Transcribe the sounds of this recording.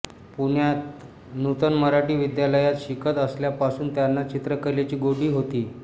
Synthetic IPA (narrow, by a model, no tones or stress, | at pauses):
puɳjat̪ | nut̪ənməɾaʈiːʋid̪jaləjat̪ɕikʰət̪əsljapasuːnt̪janːat͡ɕit̪ɾəkəɾlat͡ɕiːɡoɽiːɦot̪iː